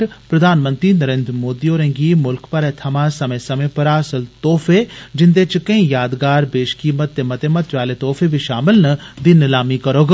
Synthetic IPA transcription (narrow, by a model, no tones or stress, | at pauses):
ɾpɾɐd̪ʱaːnmə̃nt̪ɾiːnəɾeːnd̪ɾmoːd̪ioːɾẽːŋɡimʊlkpəɾɛt̪ʰɐmãsɐmẽːsɐmẽpɐɾaːsəlt̪ɔːfʰed͡ʒɪnd̪et͡ʃkɐĩjaːd̪ɡaːɾbeːʃkiːmət̪̚ːemɐt̪eːmət̪ʋaːlet̪ɔːfʰebʱiʃaːmɪlnɐd̪ɪnɪlaːmikɐɾoːɡ